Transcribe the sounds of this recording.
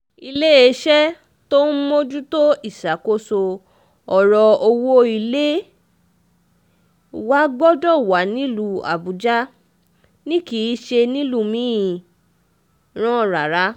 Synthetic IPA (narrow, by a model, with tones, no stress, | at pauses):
i˧le˦e˧˦ʃɛ˦ | to˦n̩˦mo˦d͡ʒu˦to˦i˦˨sa˨ko˦so˧ | ɔ˨ɾɔ˧o˧wo˦i˧le˦ | wa˦ɡ͡bɔ˦dɔ˦˨wa˨˦nĩ˨˦lu˦a̰˨bu˨d͡ʒa˦ | nĩ˦ki˨˦ʃe˧nĩ˦lu˦˨mĩ˨˦ĩ˨ | ɾ̃ɔ̃˦˨ɾa˨ɾa˨˦